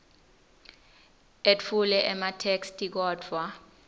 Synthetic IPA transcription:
et͡fʰulɛʔɛmatʰekstʼik̬ɔːdʰʱwa

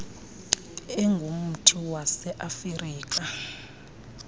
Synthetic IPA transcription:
ɛŋɡʱum̩tʰiwasɛʔafiriːk̬ʼa

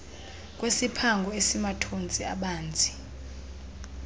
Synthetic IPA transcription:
kʼwesipʰaŋɡʱɔesimatʰont͡sʼiaɓaːnd͡zʱi

